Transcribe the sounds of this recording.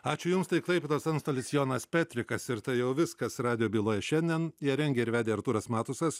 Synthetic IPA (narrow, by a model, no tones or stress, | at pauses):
ɑːt͡ʃʲʊjʊmst̪ɐɪklˠɐɪpʲet̪oːsɐnst̪oːlʲɪsjoːnɐspʲæːt̪ʲɾʲɪkɐsɪɾt̪ɐɪjɛʊʋʲɪskɐsɾɑːd̪ʲɪjoːbʲiːlˠoːjɛʃʲɛnʲd̪ʲɛnjiɛɾʲɛŋʲɡʲɛːɪɾʋʲæːd̪ʲeːɐɾt̪uːɾɐsmɑːt̪ʊsɐs